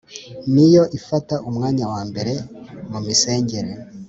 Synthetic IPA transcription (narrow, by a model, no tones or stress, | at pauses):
nijo̞ʔifataʔumŋaːɲawaːmbe̞ɾe̞mumise̞ːɲɟe̞ɾe